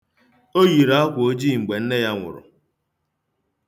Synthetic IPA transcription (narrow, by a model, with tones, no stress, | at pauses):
o˦ɣi˨ɾa˨a˦kʷo˦d͡ʒi˦˨ŋ͡m̩˨ɡ͡be˨n̩˦ne˦ja˦ŋʷʊ̰˨ɾʊ̰˨